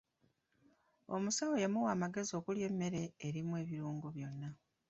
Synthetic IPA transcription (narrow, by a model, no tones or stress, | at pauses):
o̞musawojamuwaːmaɡe̞zio̞ːkulje̞mːe̞ɾe̞ːɾimwe̞ːβiɾuːŋɡuβjo̞nːa